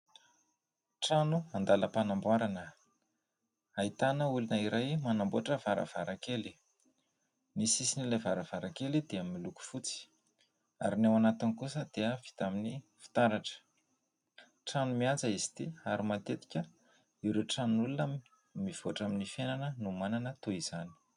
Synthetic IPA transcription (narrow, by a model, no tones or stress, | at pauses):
ʈ͡ʂanuand̪aləpanambwaɾanə | ait̪anəulunəiɾʔajmanamboaʈ͡ʂəvaɾə̰v̥aɾakeli̥ | misisinilajvaɾəv̥aɾakelid̪̥eamimiluku̥fut͡si̥ | aɾinewanat̪inikusəd̪̥eəv̥i̥t̪aminifi̥t̪aɾaʈ͡ʂə̥ | ʈ͡ʂanumiand͡zaizi̥t̪iaɾimat̪et̪i̥kʲə | iɾeʈ͡ʂanulunam | miv̥oʈ͡ʂaminifenanənumananət̪uiz̥ani̥